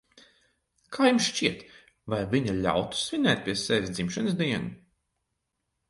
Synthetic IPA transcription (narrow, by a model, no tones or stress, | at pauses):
kʰaːjumsʃt͡ʃiɛt̪ | vajvʲiɲalʲa̰wt̪u̥svinɛːt̪̚ʲpʲiɛsɛvʲisd̪zimʃɨnsd̪iɛnu